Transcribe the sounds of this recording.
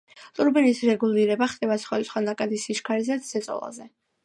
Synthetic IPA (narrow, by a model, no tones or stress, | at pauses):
t̪ʼuɾbinisɾɛɡulˠiɾɛbaχd̪ʼɛbat̪sʰχɔd̪it̪sχwanakʼad̪isiʃkʰaɾizɛsɛt̪sʼɔ̰lˠa̰zɛ